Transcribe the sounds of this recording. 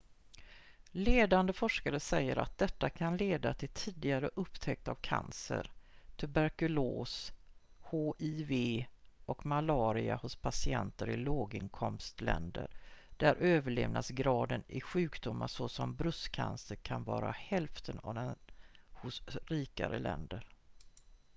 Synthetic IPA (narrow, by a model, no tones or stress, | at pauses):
leːd̪and̪əfɔʂkaɾəsɛjːəɾʔa̰t̪̚d̪ɛt̪ːakʰanleːd̪at̪ʰɪlt̪ʰiːd̪ɪɡaɾəʔɵpːt̪ʰɛk̚t̪avkʰa̰nsə̰ɾt̪ʰʉbæɾkɵloːs | hoːʔɪveːʔɔkmalɑːɾɪahʊspʰasɪɛnt̪əɾɪloːɡɪnkʰɔmst̪lɛ̰nd̪ə̰ɾɖ̪̥æɾʔøːvəɭeːvnasɡɾɑːd̪ənɪɧʉ̟ːkd̪ʊmːaʂɔsɔmbɾɵskʰa̰nsəɾkʰanvɑ̰ːɾahɛlft̪ʰənavd̪ɛnhʊsɾiːka̰ɾə̰lɛ̰nd̪əɾ